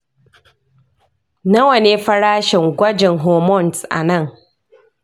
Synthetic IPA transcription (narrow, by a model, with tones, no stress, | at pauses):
nɐ˦wɐ˨ne˦ɸɐ˦ɽaː˦ʃɪ˨ŋɡʷɐ˦d͡ʒɪ˨ŋɦoː˨mɔ˦˨nsʔa̰˨nɐ˦˨ŋ